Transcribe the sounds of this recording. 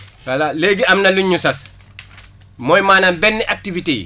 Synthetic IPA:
walaleɡiɐmnɐluɲːusɐs | mɔjmaːnanbɛnːiʔak̚tivitejḭ

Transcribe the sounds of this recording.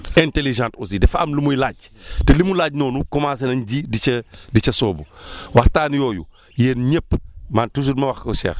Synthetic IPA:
ɛnteliʒãːntusidɛfɐ̰mlimojlaːɟtɛlimulaːɟnɔːnukɔmaːsɐnɐɲɟidiɐdit͡ʃɐsɔːbuwɐxtaːnjɔːju | jeːnɲepːmaːntus̬udmɐwɐxkɐʃɛ̰ːx

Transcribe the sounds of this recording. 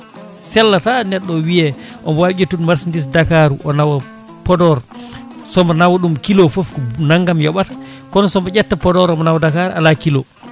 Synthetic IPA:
sɛlːatanɛɗːɔwijɛʔɔmwad͡ʒetːunmaɾsindis̬dakaɾuʔɔnawa | pɔdɔɾsɔmɔnawaɗumkilɔfofnaŋɡamjɔɓatḁ | kɔnsɔmɔd͡ʒɛtːapɔdɔɾɔmɔnawdakaɾa̰lakilɔ̰

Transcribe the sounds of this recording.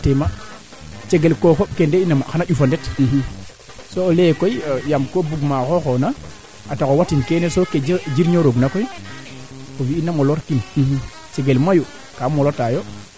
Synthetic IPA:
tema | t͡ʃeɡelkokoɓkendeinamaxanaʄufandetiɦi | soolekojojamkobuɡmaxoxona | atakowatinkenesoked͡ʒd͡ʒiɾɲoɾoɡnakoji | owiːnːamoloɾkinihi | t͡ʃeɡelmaju | kamolotajo

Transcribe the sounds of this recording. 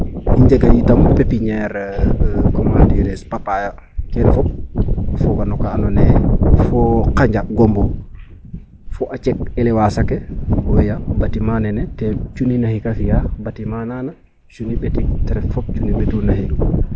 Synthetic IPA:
iɲd͡ʒeɡajitampepiɲɛɾ | kɔmandiɾɛspapaja | kɛnɛfɔp̚fɔɡanɔkaːnɔnɛfɔkaɲd͡ʒaɡɔmbu | fɔʔat͡ʃɛk̚ɛlɛwasakɛɔwɛjabatimanɛnɛtɛt͡ʃuninahikafijabatimanana | t͡ʃuniɓetitɛɾɛffɔp̚t͡ʃuniɓetunahiɡu

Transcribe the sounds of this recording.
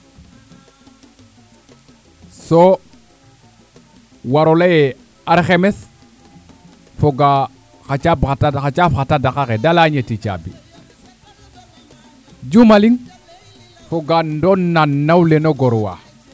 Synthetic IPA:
so | waɾolaje | aɾxemes | foɡa | xat͡ʃabataxat͡ʃafxatadakakedalaɲetit͡ʃa̰bḭ | d͡ʒumaliŋ | foɡandonnːanːawlenoɡoɾwa̰

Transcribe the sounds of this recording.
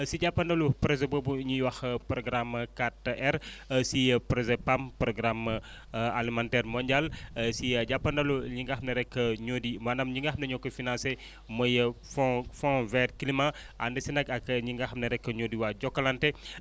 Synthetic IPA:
siɟapːɐndɐlupɾezebobuɲijwɐxpɾɔɡɾamkatʔɛɾsipɾezepampɾoɡɾam | alimãntɛɾmɔɲɟalsiɟapːɐndɐluɲiŋɡaxmnɐɾɛkːəɲodimanɐmɲiŋɡaxmnɐɲokːɐfinãnse | mɐjəffɔ̃vɛt̚kilima | ʔa̰ndɐsinɐkɐkɲiŋɡaxmnɐɾɛkːəɲodiwaɟɔkːɐlante

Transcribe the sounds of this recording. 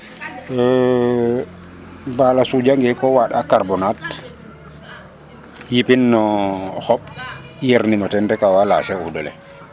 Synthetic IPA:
balasud͡ʒaŋɡɛkɔwaɗakaɾbɔnat | jipinːɔxɔɓ | jeɾnimɔtɛndɛkawala̰sɛudɔlɛ̰

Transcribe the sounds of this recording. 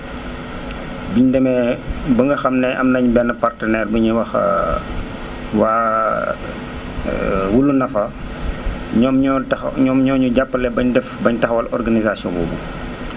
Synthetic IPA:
biɲdɛmɛbɐŋɡɐxɐmnɛʔɐmnɐɲbɛnːəpartənɛrbəɲiwɐx | waː | wulːunɐfɐ | ɲɔmɐɲɔmɲɔːɲuɟapːɐlɛbɐɲdɛfbɐɲtɐxwɐlʔɔ̰rɡanizasiɔ̰̃bṵːbṵ

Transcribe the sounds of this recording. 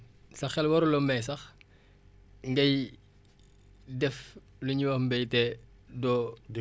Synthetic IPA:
sɐxɛlwɐɾulɔmbɛjs̬ɐx | ŋɡɐj | dɛf | luɲiwɐmbɛjtɛ | dɔ

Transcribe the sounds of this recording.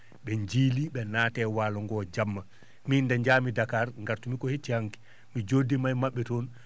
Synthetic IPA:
ɓɛɲd͡ʒiːliɓɛnaːtɛwaːlɔŋɡɔːd͡ʒamːa | mindɛɲd͡ʒaːmidakaɾŋɡaɾtumikɔhet͡ʃːihaŋki̥ | mid͡ʒodːimajmaɓːɛtɔn

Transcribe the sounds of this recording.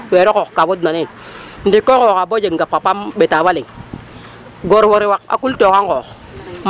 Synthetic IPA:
weɾɔkokkavot̬nani | n̩dikːokokabod͡ʒeŋɡapapamɓetawaliŋ | ɡoɾwoɾiwak̚a̰kultokaŋko | m

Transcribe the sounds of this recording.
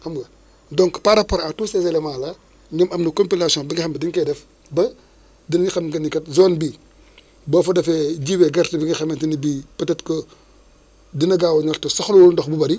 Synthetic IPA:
kɐmɡɐ | dɔŋkpaɾɐpɔɾatusɛzɛlɛmaːlɐ | ɲɐmɐmnɐkɔmpilasijɔ̃nbiŋɡixɐmbɐdiŋkɛdɛf | bɐ | dinɐɲixɐmɡɐnːikɐtzɔːnbiː | bɔːfɐdɐfɛɟiwɛɡɐɾtibiŋixɐmɛndinɐbiːpɐtɛtkɔ | dinɐɡaːwɐɲɔltɐsɔxluwulndɔxbubɐɾi

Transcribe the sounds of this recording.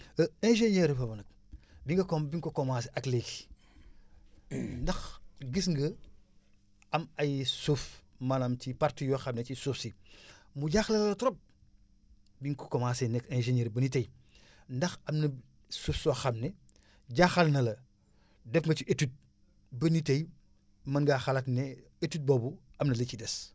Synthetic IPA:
əẽʒeɲeɾfɐbɐnɐk̚ | biŋɡɐkobiŋkokomaːsiʔɐkleki̥ | ndɐxɡisŋɡɐ | ɐmɐjsufmɐnamtipaɾtijoxamnet͡ʃisufsimuɟaxlɐlɐlɐtɾop̚ | biŋkukɔmasenɛkɛ̃ʒeɲeːɾbɐnit̬ɐj | ndɐxɐmnɐ | sufsɔxɐmnɛ | ɟaːxɐlnɐlɐ | dɛfŋɡɐt͡ʃiʔetut̚ | bɐnitɐj | mɐŋɡaxɐlɐtnɛ | etut̚bɔːbuɐmnɐlecidɛs

